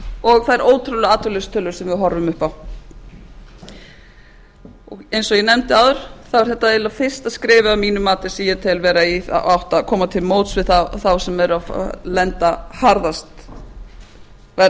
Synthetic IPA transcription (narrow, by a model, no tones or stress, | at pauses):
ɔɣθaðɛɾoːwt̪ʰɾʏwlʏaːt̪ʰœlʏst̪ʰœlʏɾsɛmvɪɦɔɾvʏmʏhpaw | ɔɣejnsɔɣjɛnɛmt̪ɪaːwðʏɾ̥θavɪɾ̥θɛht̪ːaelafɪr̥st̪aðskɾɪːvɪamiːnʏmaːt̪ɪ̥siːjat̪ʰɪlvɛːɾaia̰a̰wht̪akʰɔːmat̪ʰɪlmoːwt̪svɪðθaθawsɛmɛɾʏa̰lɛnt̪ahaɾðast̪ | vɛ